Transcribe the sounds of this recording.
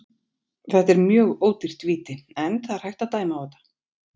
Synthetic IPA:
θɛht̪ɛɾmjœːɣoːwt̪ir̥t̪viːt̪ɪɛnθaðaɾ̥hajht̪at̪aːjmawvɛt̪ḁ

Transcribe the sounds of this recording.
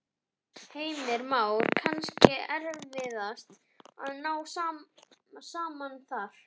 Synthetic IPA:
heːjmɪɾmaːwɾkʰanscɪɛɾvɪðast̪ | a̰ðnaːwsaː | saːmanθaɾ̥

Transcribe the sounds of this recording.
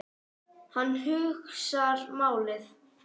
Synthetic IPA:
hanːɦʏxsaɾmaːwlɪθ

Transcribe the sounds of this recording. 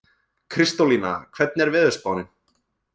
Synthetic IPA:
kʰɾɪst̪olina̰kʰvɛt̪̚nɛɾvɪðʏspawnɪn

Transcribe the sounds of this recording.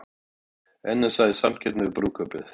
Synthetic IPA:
ɛnːasaðɪsamcʰɛt̪nɪpɾuːkʰœpɪθ

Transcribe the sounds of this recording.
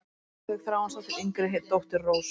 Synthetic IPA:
ɪɣθɾaːwansawt̪ɪɾejŋkɾɪɦet̪owht̪ɪɾroːws

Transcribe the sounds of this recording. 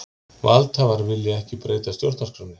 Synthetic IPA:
valt̪havaɾvɪlːjaɛhcɪpɾeːjt̪ast̪jɔɾ̥t̪nmarkɾanːɪ

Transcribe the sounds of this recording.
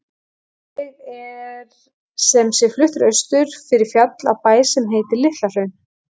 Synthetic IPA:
ɪðɛɾ̥ | sɛmsjɛɾflʏht̪ɾœɥst̪ʏɾ̥fɪɾɪɾ̥fjat̪la̰wpaːjsɛmɦeːjt̪ɪɾlɪht̪lar̥œɥn

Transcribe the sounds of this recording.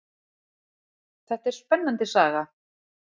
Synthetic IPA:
θɛht̪ɛɾ̥spɛnːant̪ɪsaːɣa

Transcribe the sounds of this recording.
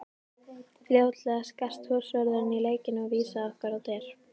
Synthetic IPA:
fljowt̪lɛɣaskar̥t̪hʏsvœɾðʏɾɪnileːjcɪnɔɣviːsaɔhkvɛɾawt̪ɛɾ̥

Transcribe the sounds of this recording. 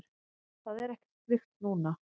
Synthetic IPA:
ɾ̥ | θaðɛɾɛhcɪ̥slɪxt̪nuːna

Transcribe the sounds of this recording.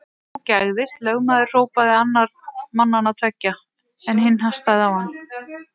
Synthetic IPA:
ɔcaɣðɪst̪lœɣmaːðɪr̥r̥oːwpaðɪanːaɾ̥manːanat̪ʰvɛcːa | ɛnhɪnːɦast̪aðɪawhanː

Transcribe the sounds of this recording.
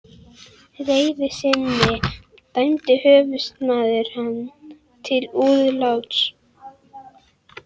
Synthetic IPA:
reːjvɪsɪnːɪ | t̪ajnt̪ɪhœːvʏst̪maːðɪɾ̥hanː | t̪ʰɪluːðlawt̪s

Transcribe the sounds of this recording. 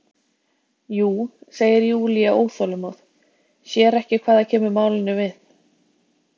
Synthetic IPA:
juːseːjɪɾjiuːliaʔoːwθɔlʏmaːwð | sjɛːɾɛhcɪkʰvaːðacʰɛːmʏmaːwlɪnʏvɪθ

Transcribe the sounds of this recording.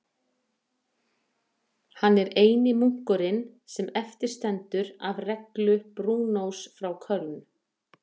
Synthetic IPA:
hanːɛɾeːjnɪmuŋ̥kʏɾɪn | sɛmɛft̪ɪɾ̥st̪ɛnt̪ʏɾavrɛklʏpɾuːnowsfɾawkʰœln

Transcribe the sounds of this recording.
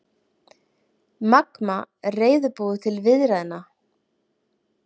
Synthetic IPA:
makma | reːjðʏpuːðʏt̪ʰɪlvɪðɾaðɪna

